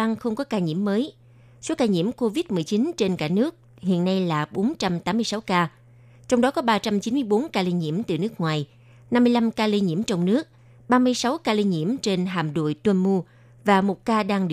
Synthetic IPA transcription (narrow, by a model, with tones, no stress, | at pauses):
a˧ŋxə˧wŋ͡mkɔ˨˦kaː˧ɲḭ˧˥əmːəː˨˦j | so˨˦kaː˧ɲḭ˧˥əmko˧vi˦˥t̚mɨ˨˩əjt͡ɕi˨˦nt͡ɕe˧nkaː˧˩nɨ˦˥ək̚ | hḭ˧˨ənːa˧jlaː˨˩ɓo˨˦nt͡ɕa˧mt̪aː˨˦mːɨ˧əsa˨˦wkaː˧ | t͡ɕɔ˧wŋ͡mɗɔ˨˦kɔ˨˦ɓaː˧t͡ɕa˧mt͡ɕi˨˦nmɨ˧jɓo˨˦nkaː˧li˧ɲḭ˧˥əmt̪ɨ̰˨˩nɨ˦˥ək̚ŋwaː˨˩j | na˧mːɨ˧jla˧mkaː˧li˧ɲḭ˧˩əmt͡ɕɔ˧wŋ͡mnɨ˦˥ək̚ | ɓaː˧mɨ˧əjsa˨˦wkaː˧li˧ɲḭ˧˥əmt͡ɕe˧nɦa̰ː˨˩mɗo̰˧˨jt̪wə˧nmu˧ | vaː˨˩mo˨˩t̚kaː˧ɗaː˧ŋɗi˨˧˨